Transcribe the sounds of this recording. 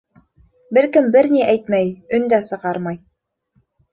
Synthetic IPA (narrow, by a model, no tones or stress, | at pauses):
bɘɾkɘmbɘɾniʔæjt̪̚mæjɵ̆nd̪æsɤ̆ʁɑɾmɑj